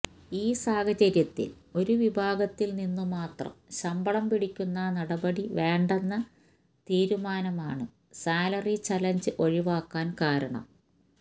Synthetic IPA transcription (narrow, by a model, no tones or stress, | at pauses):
iːsaːhɐt͡ɕɐɾjɐt̪ːḭlo̞ɾuʋibʱaːɡɐt̪ːilninːɨmaːt̪rɐ̰mɕɐmbɐɭɐmpiɽikʲːunːɐnɐɽɐbɐɽiʋeːɳɖenːɐ | t̪iːɾumaːnɐmaːɳɨ | saːlɐrit͡ɕɐlɐɲd͡ʑɨʔo̞ɻiʋaːkːaːnkaːɾɐɳɐ̰m